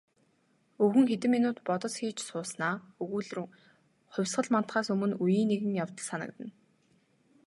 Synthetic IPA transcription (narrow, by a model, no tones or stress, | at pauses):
ɵɣɘ̆ŋxet̪ɘ̆mːinʊːt̪pɔt̪ɞ̆t͡sxiːt͡ɕsʊːsnaːɵɣuːɮr | χʊ̟wʲsχɢə̆ɮman̥t̪χaːsɵmɵ̆nujiːnːeɣɘ̆ŋjawt̪ə̆ɮsanə̆kt̪ə̆n